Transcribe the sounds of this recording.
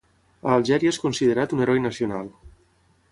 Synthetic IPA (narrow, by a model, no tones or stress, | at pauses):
əːlˠʒɛɾiəeskunsiðeɾat̪uneɾɔjnəsionalˠ